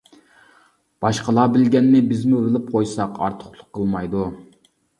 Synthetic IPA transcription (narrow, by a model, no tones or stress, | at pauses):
b̥ɑʃqʰəlˠɑːbɪlɡʲɛnːɪbɪzmuvɪlɪp̚qʰojsɑqʰɑ̰ɾt̪ʰʊ̥χlˠʊqʰːəlˠmɑjd̪u